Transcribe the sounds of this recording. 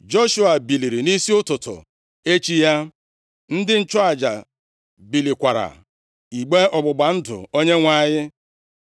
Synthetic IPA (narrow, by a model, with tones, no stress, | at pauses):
d͡ʒo˦ʃu˨a˨bi˨li˨ɾi˨ni˦si˦ʊ˦tʊ˨tʊ̰˨ | e˦t͡ʃi˦ja˦ | n̩˦dɪ˦n̩˦t͡ʃɔ˦a˨d͡ʒa˨ | bi˨li˨kʷa˨ɾa̰˨ | i˨ɡ͡be˦ɔ˨ɡ͡bʊ˨ɡ͡ba˨n̩˦dʊ̰˨o˦ɲe˦ŋʷa˦˨ɲɪ˦